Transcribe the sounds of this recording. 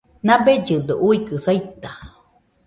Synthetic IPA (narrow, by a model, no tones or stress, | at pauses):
nãbed͡ʒɨd̪oʔuikɨsajt̪a